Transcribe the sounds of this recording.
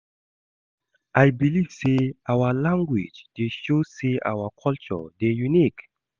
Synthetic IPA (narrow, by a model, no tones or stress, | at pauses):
ʔajbiliv̥seawəlãŋɡwḭd͡ʒd̥eʃoseʔa̰wəkʰɔlt͡ʃɔ̰dejunik